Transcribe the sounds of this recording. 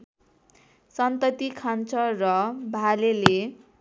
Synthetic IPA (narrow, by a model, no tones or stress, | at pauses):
sʌnt̪ʌt̪ikʰant͡sʰʌrʌbʱalele